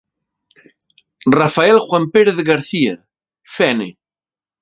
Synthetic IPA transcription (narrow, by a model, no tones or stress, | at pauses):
rafaelxwampeɾeðɣaɾθia | fɛne